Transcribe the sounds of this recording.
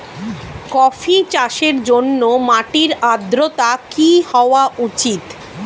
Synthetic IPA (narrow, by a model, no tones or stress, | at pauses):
kɔfʰit͡ɕaʃeɾd͡ʑonːomaʈiɾad̪ɾot̪akihɔoaʔut͡ɕit̪